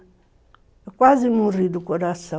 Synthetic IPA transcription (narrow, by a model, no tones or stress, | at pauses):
kwazimuridukɔdasa